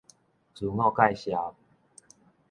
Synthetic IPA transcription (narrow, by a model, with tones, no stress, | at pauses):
t͡su˨˩ŋɔ˥˧ka˥˧˨jɕja˨˩